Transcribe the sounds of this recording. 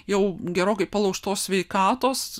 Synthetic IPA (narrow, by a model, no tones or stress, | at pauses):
jɛʊɡʲɛɾoːkɐɪpɐlˠɐʊʃt̪oːsʲsʲʋʲɛɪkɑːt̪oːs